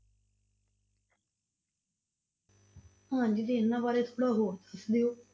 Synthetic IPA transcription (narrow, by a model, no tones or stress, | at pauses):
ãːɲd͡ʒiːt̪eːɪnːãːbaːɾeːt̪ʰo̥ːɽaːɦoːɾd̪əsd̪ejoː